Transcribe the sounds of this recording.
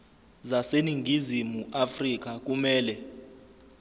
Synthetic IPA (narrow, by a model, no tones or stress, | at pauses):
zaseniŋʱizimuʔafrik̬ak̬umɛːlɛ